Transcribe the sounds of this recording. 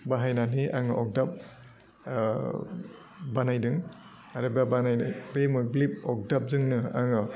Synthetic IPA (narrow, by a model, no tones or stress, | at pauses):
baɦajnaniʔaŋɯʔɔk̚dap̚ | banajdɯŋ | aɾɯbabanajabemɯk̚blip̚ɔk̚dap̚zɯŋnɯa̰ŋɯ